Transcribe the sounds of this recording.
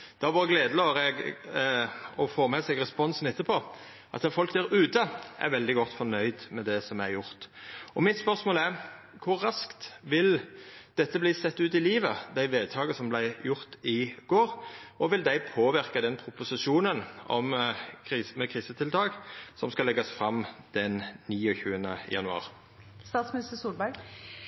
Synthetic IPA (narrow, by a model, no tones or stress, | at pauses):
d̪̥ɑʋoːɾəɡleːd̪əlɑːɾɛɡ | ɔfoːmɛsɛɡʁɛspɔnsn̩ɪt̪ːəpʰoː | ʔɑ̰t̪d̪ɑfɔlkd̪æɾʉːt̪ʰəʔæ̰ɾʋɛld̪ɪɡɔt̪ːfɔnœʏd̪mɛd̪ɛsɔmæɾjʊɾt̪ɔmɪt̪spœʁsmoːlæɾ | kʰʊɾːɑskt̪ʋɪld̪̥ɛt̪ːəbliːsɛt̪ːʉːt̪ɪliːʋəd̪æɪʋeːd̪̚t̪ʰɑːɡəsɔmblæɪjʊʁt̪ɪɡ̥oːɾɔʋɪld̪æɪpʰoːʋɪʁkəd̪ɛnpʰɾʊpʊsɪʂuːnənɔ̰mkʰɾiːsmɛkʰʁiːsət̪ʰɪlt̪ʰɑːɡsɔmskɑlɛɡɑsfɾɑmd̪̥ɛnniːɔçʉːənəjɑ̰nʉɑ̰ːʁ | st̪ɑːt̪smɪnɪst̪əsuːlbæɾɡ